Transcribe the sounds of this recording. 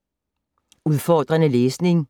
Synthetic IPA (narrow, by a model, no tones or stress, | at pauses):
uðˠfɒːd̥ʁɐnəleːsne̝ŋ